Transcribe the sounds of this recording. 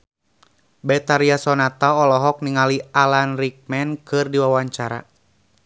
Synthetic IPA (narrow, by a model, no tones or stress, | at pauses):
bɛt̪aɾiasɔnat̪aːlɔɦɔk̚niŋalialanrik̚mɛnkɨrdiwawaɲt͡ʃaɾa̰